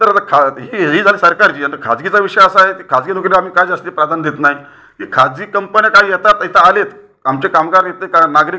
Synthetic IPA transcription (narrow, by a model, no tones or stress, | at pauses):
t̪əɾat̪akʰaɦiɦid͡zʱaliːsəɾkaɾt͡ɕiːant̪əkʰad͡zɡit͡saʋiʂəjaəsaɦet̪ikʰad͡zɡinukɾiam̤iːkajd͡zast̪iːpɾad̪ʱand̪et̪naɦj | kikʰad͡zɡiːkəmpənjakajjɛt̪at̪ɦit̪aːlet̪ | amt͡ɕekamɡaɾjet̪ekanaɡɾi